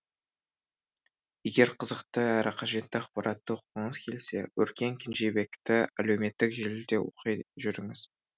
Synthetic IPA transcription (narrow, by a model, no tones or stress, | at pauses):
je̞ɡʲe̞ɾqʰəzəqt̪əæɾʔɪqʰɑʒe̞t̪ːɪɑqpɑɾɑt̪ːəqəɴəzkʲʰe̞lse̞̰wɵɾkʲe̞ŋkʲʰɪnʒe̞be̞kt̪ɪæ̰lewme̞t̪ːɪkʒelɪd̪ewo̰qijʒʏɾɪŋɪz̥